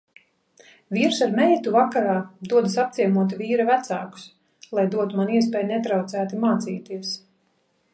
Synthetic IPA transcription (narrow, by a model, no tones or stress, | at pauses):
viːɾsaɾmɛjt̪uvakaɾaːd̪uɔd̪asap̚t̪iɛmuɔt̪̬iviːɾavæt̪saːku̥s | lˠajd̪uɔt̪umaniɛs̬pɛːjnɛt̪ɾawt̪sæːt̪imaːt̪siːt̪iɛs